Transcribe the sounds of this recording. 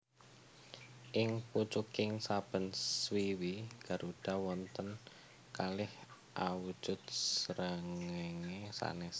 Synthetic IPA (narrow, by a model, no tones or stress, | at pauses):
ʔɪŋput͡ʃukɪŋsab̥ə̤nswiwiɡ̥a̤ɾuɖ̥a̤wɔnt̪ən | kalɪh | ʔawud̥ʒ̥ʊt̪̚səɾəŋeŋesa̰nɛs